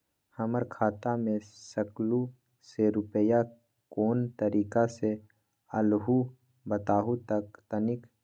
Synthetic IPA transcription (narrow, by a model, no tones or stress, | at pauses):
hɐməɾkʰaːt̪amẽsəklu | seɾʊpəja | koːnt̪əɾiːkase | əlɦu | bət̪aːɦut̪əkt̪ənɪk